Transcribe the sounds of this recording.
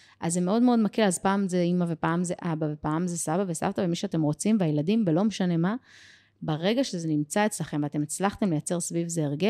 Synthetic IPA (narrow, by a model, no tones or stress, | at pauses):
ʔazːemeo̞dmeo̞dmakilazpaːmzeimavepaːmzeʔabavepaːmzesabavesa̰vt̪avemiʃeate̞mʁo̞t͡simveajladimbelo̞meʃane̞ma | baʁe̞ɡaʃezenimt͡saet͡slaχe̞mveat̪e̞met͡slaχt̪e̞mlejat͡se̞ʁsvivzeːʁɡel